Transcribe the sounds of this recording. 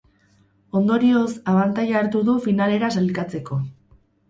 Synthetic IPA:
o̞nd̪o̞ɾio̞saβant̪ajaːɾt̪uðufinale̞ɾasalikat͡se̞ko̞

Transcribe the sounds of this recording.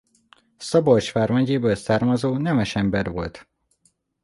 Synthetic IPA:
sɒbort͡ʃfaːrmɛɟeːbøːlsaːrmɒzoːnɛmɛʃɛmbɛɾʋo̞lt̪

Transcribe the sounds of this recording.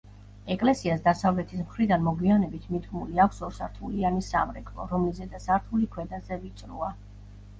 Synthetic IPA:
ɛkʼlɛsiasd̪asavlɛt̪ʰismχɾid̪anmɔɡwianɛbit̪ʰmid̪ɡmuliakʷʰsɔɾsaɾt̪ʰulianisa̰mɾɛkʰʼlˠɔ̰ɾɔmlizɛd̪azaɾt̪ʰulikʰwɛd̪azɛvit̪sʼɾṵa

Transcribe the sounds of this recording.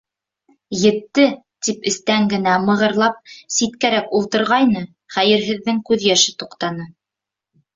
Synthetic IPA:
jɘ̆t̪ːɘ | t̪ipɘ̆st̪æŋɡɘ̆næmɤ̆ʁɤ̆ɾlˠɑp̚sit̪kæɾækulˠt̪ɤ̆ɾʁɑjnɤ | χæjɘ̆ɾɦɘ̆ðːɘŋkʉðjæʃɘt̪uqt̪ɑnɤ

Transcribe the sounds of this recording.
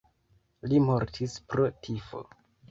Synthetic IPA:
limo̞ɾtʰispɾo̞tʰifo̞̰

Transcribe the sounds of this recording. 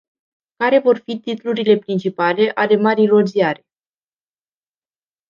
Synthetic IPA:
kaɾe̞vo̞rfit̪it̪luɾile̞pɾint͡ʃipale̞ʔale̞maɾijro̞ziaɾe̞̥

